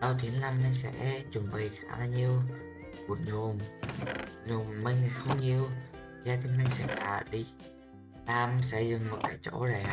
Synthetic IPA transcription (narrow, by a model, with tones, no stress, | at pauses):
ɗə˧wt̪ʰi˨˦ənlaː˧˩mne˧nsɛ̰˧˥t͡ɕʊ˨˩ŋ͡mɓi˨˩jxa̰ː˧˥˩laː˧ɲi˧əw | ku˨˩t̚ɲʊ˨˩m | ɲʊ˨˩ŋ͡mmə˧ŋ˨˩xə˧wŋ͡mɲi˧əw | zaː˧t̪ʰi˧mə˧ŋsɛ̰˧˩ŋta̰ː˧˩ɗi˧ | laː˨˧˩msə˧˥jzʊ˨˩ŋ͡mmo˨˩t̚kaː˧˩jt͡ɕo̰˧˥za˨˩